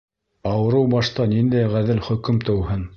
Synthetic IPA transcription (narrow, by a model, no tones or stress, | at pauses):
ɑwɤ̆ɾɤwbɑʃt̪ɑnind̪æjʁæðɘlχɵ̆kɵmt̪ɤ̆whɤn